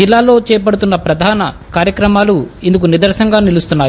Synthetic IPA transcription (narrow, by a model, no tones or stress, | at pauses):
ilːaːlo̞ːt͡ʃɛːjp̬ɐɽut̪̬unːɐpɾɐd̪ʱaːnɐkaːɾjɐkɾɐmaːluind̪uk̬unid̪ɐɾʃɐŋɡaːnilust̪unːaːj